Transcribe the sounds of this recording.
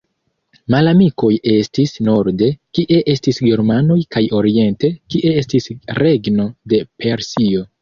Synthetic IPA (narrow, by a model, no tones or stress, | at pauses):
malamiko̞je̞stisno̞ɾde̞kiʔe̞ʔe̞stisɡe̞ɾmano̞jkajo̞ɾie̞nte̞kiʔe̞estisɾe̞ɡno̞de̞pe̞ɾsio̞